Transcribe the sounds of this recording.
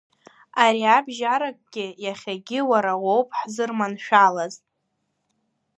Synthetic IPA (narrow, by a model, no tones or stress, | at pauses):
aɾiabʒaɾakʼɡʲɪjaχʲaɡʲɪwaɾawowpʰʼħzɨrmanʃᶣalaz